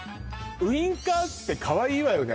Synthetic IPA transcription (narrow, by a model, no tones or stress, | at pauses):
ɯ̟ĩŋkat̪ːe̞kʰaβaiːβajone